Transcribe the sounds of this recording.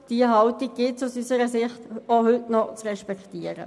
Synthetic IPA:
d̥iəɦɑltɪɡ̚ɡ̥ɪsusysəɾəsɪχtohʏtnɔt͡sʁɛʃpɛktiːəɾə̰

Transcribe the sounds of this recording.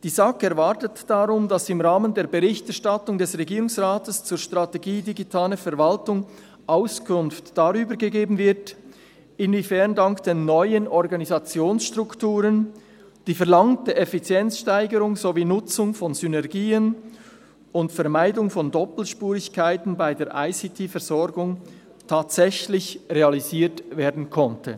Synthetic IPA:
d̥iːzakɛʁvatətd̥aʁʊmdasɪmʁaːməndeːɐbeʁɪçtɛʁʃtatʊŋdɛsʁɛɡiːʁʊŋsʁaːtəst͡suːɐʃtʁ̥ateɡiːdiɡitʰaːləfɛʁvaltʊŋ | ʔaʊskʰʊnftd̥aʁyːbəɾɡəɡeːbn̩vɪʁt | ɪnvifɛʁndaŋkd̥eːnːɔʏənɔʁɡɑnizat͡sjoːnsʃtʁ̥ʊktuːʁən | d̥iːfɛɐlɑŋtd̥əʔefit͡sjɛnt͡sʃtaɪɡəɾʊŋzoviːnʊt͡sʊŋfɔnzynɛʁɡiːən | ʊntfɛɐmaɪdʊŋfɔndɔpl̩ʃpuːʁɪçkʰaɪtn̩baɪdeːɐʔaɪsitʰifɛʁz̥ɔɾɡʊŋ | tʰaːtsɛçlɪçʁeɑliziːtveːɐdn̩kʰɔntʰə̰

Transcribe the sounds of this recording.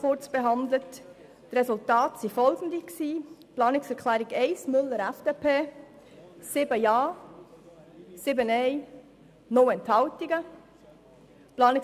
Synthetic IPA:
ʊrt͡sb̥eɦɑnd̪lətː | rɛsultɑːtsifɔlɡən̩diksiːplɑːnɪksɛɾkʰlæːɾiɡɛɪsmʏlːəɾæfd̥eːpʰeː | sɪbəjɑː | sɪbənɛɪ | nɔwɛnthɑwtiɡə | plɑːnɪk

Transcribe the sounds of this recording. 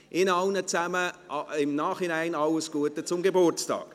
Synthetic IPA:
ʔɪnɑlnət͡sæməɪmnaːχinæɪnɑləsɡ̥uətət͡sʊmɡebʊrt͡stɑ̰ːk

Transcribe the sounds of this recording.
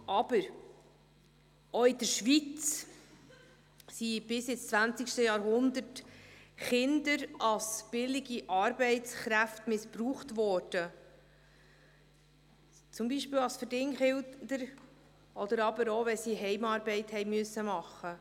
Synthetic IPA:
ʔɑb̥əɾ | oɪd̪əɾʃʋit͡s | sib̥ɪsɛt͡st͡sʋænt͡sɪkʃtəjɑːɾɦʊnd̪ətχɪnd̪əɾɑlsb̥ɪlɪɡiʔɑɾbɛɪtt͡sχɾæftmɪspɾuːχtvɔːɾd̥ə | t͡sʊmbiːʃpɪːwɑlsfədɪŋχɪld̪əɾ | ʔɔd̥̪əɾɑbəɾoʋɛsiɦɛɪmɑːɾbɛɪthɛjmyəsːəmɑχːə

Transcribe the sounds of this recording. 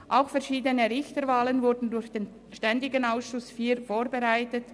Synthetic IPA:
ʔaʊxfɛɐʃiːdənəʁɪçtəɾvaːlənvʊɾdn̩dʊɾçd̥eːn | ʃtɛndɪɡənaʊsʃʊsfiːɾfoːɾbeʁaɪtət

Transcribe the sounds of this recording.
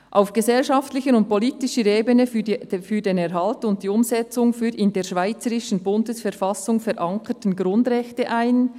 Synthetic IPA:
ʔaʊfɡ̥əzɛlʃɑftlɪçəʊnt̚pʰɔliːtɪʃəɾeːbənəfy̥fyːdeːnɛɾɦɑltʊnt̚d̥iːʊmzɛt͡sʊŋfyːɾɪndeːʃvaɪt͡səɾɪʃn̩bʊndəsfɛɾfɑsʊŋfɛɾʔaŋkʰətən̩ɡɾʊndʁɛçtəʔaɪn

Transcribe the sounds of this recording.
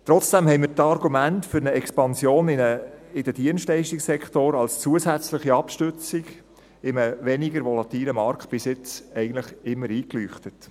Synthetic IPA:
t̪ɾɔt͡sd̥æmhɛɪmɪːɾtɑɾɡumæntfʏɾnəɛkspɑnsjoːnəɪd̥əd̥iənstlɛɪʃtiksɛkχtoɾɑlst͡suəsæt͡sləχiɑpʃtʏt͡sɪɡ | ɪməʋɛniɡəɾʋɔlɑt̪iːləmɑɾkt̚b̥ɪsɪt͡sɛɪɡəntləχɪmːəɾiːklyːχtət

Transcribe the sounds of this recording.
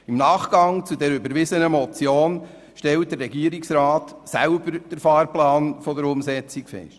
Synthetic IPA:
imnɑːχɡ̥ɑŋt͡sudɛɾʏbəɾʋɪsənəmɔt͡sjoːn | ʃtɛlt̚d̥əɾːɛɡiəɾiksɾɑːtsæʊbəɾd̥əɾfɑːɾplɑːnfɔdəɾʊmsɛt͡sikfɛ̰ʃt

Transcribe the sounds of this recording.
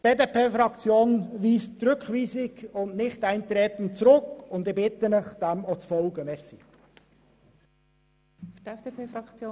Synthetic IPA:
b̥eːdepʰeːfɾɑkt͡sjoːnʋiːstɾʏkχʋiːsɪɡʊntnɪχtæɪnt̪ɾeːt̪n̩t̚t͡sɾʊkʊnd̪ɪbɪt̪ənəχd̥ɛmɔt͡sfɔlɡəmɛsɪ | fɛfepʰeːfɾɑkt͡sjo

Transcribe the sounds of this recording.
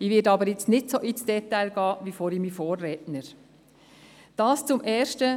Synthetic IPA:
iʋɪdɑbəɾjɪt͡stnɪtsoʔisd̥ɛtːæɪlɡ̥ɑːʋifoːɾimifoːrːɛtnəɾ | d̥ɑːst͡sʊmʔɛːʃtə

